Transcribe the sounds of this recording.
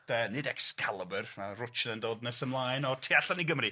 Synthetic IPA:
əːnɨdɛkskʰalˠəbərnarʊt͡ʃnəndoːdnɛsəmlˠajnɔtʰeːaɬaniɡəmri

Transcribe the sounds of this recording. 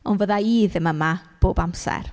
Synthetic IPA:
ɔnvəðaiːðɪməmab̥oːbamsɛ̰r

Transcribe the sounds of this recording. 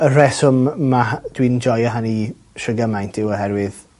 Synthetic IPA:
ərɛsʊmːad̥wind͡ʒɔjaɦani | ʃrəɡamajntʰɪwɔɦɛɾwɪð

